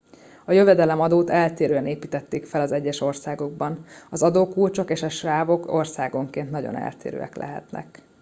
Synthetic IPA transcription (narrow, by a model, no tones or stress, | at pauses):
ɒjøvɛd̪ɛlɛmɒd̪oːt̪ɛlt̪eːɾøːɛneːpiːt̪ɛt̪ːeːkfɛlɒzɛɟːɛʃo̞rsaːɡo̞ɡ̚bɒnɒzɒd̪oːkult͡ʃo̞keːʃɒʃraːvo̞ko̞rsaːɡo̞ŋkeːnt̪nɒɟo̞̰nɛ̰lt̪ḛːɾø̰ːɛ̰klɛ̰ɦɛ̰t̪nɛ̰k